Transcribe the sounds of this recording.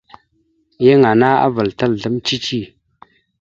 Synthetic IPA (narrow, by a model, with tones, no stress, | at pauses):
je˦ŋa˨na˦a̰˦və˨ltə˦˨lɮə˨˦mt͡ʃi˦t͡ʃi˦˨